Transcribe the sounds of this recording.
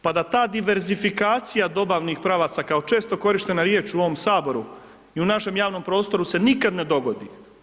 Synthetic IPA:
pad̪at̪aːd̪iʋe̞ɾzifikaːt̪sijad̪o̞baʋnixpɾaʋat̪sakao̞t͡ʃe̞ːst̪o̞ko̞ɾiʃt̪e̞naɾje̞ːt͡ʃuo̞ʋo̞msaːbo̞ɾu | iunaʃe̞mjaːʋno̞mpɾo̞ːst̪o̞ɾuse̞nikad̪ne̞d̪o̞ɡo̞d̪ḭ

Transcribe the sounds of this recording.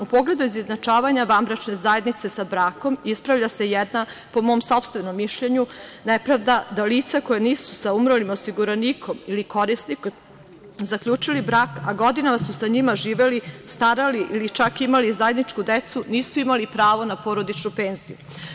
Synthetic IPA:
upo̞ɡle̞d̪uizeznat͡ʃaːʋaɲaʋambɾat͡ʃne̞zaje̞d̪nit̪se̞sabɾaːko̞mispɾavʎʲase̞jɛd̪napo̞mo̞ːmso̞pst̪ʋe̞no̞mːiʃʎeɲunepɾaʋd̪ad̪aliːt̪sakojeniːsu̥saumɾolimo̞siɡuɾaniːkʰo̞miliko̞ɾisnik | zakʎuːt͡ʂilibɾaːkaɡo̞d̪inamasusaɲimaʒiːʋelist̪aɾaliʔilit͡ʃakimalizaje̞d̪nit͡ʃkud̪et̪suniːsuimalipɾaːʋo̞napo̞ɾo̞d̪it͡ʃnupeːnzḭjṵ

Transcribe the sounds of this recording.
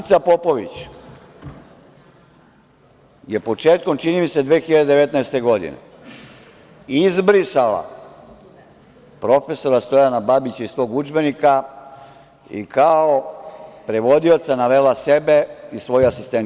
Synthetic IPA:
t̪sapo̞po̞ʋḭt͡ɕ | je̞po̞t͡ʃe̞ːt̪̚ko̞mt͡ʃinimise̞d̪ʋeːxiʎad̪ed̪ee̞t̪naest̪e̞ɡo̞d̪ḭnḛ | izbɾisala̰ | pɾo̞fe̞so̞ɾast̪o̞janababit͡ɕeisʋo̞ːɡud͡ʒbe̞nika | ḭkaopɾe̞ʋo̞d̪io̞t̪sanaʋelase̞be̞isʋo̞juasist̪ent̪

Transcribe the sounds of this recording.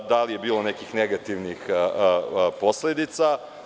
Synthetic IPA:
d̪alije̞biːlonekixneɡat̪iʋnix | po̞sled̪it̪sa

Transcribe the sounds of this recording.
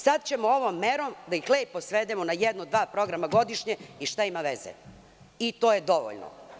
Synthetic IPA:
sad̪t͡ɕe̞moo̞ʋomːeɾomd̪aixleːpːosʋed̪emonajɛd̪nod̪ʋaːpɾo̞ɡɾamaɡo̞d̪iʃɲeiʃt̪aimaʋezḛ | it̪o̞ːje̞d̪o̞ʋo̰ʎno̰

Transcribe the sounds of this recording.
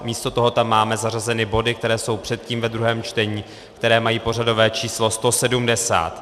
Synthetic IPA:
miːst̪o̞t̪o̞ɦo̞t̪amːaːmɛzarazɛnɪbo̞dɪk̚t̪ɛɾɛːso̞wpr̝̥ɛt̪̚ciːmvɛd̪ɾuɦɛːmt͡ʃt̪ɛɲiː | kt̪ɛɾɛːmajiːpo̞r̝ado̞vɛːt͡ʃiːslo̞st̪o̞sɛdumdɛsa̰ːt̪

